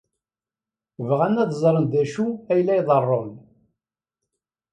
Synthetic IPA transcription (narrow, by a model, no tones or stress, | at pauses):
vʁænːæðzˤɾˤənd̪æʃuæjlːæjðˤərˤːom